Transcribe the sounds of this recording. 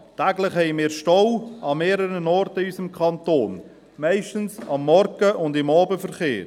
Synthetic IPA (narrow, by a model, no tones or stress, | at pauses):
tæɡlɪχhɛɪmɪːɾʃtɔwɑmeːɾəɾənɔɾtəysəmkʰɑntoːn | mæɪʃtənsɑmːɔɾɡəʔʊndɪmɑːbəfəɾχeː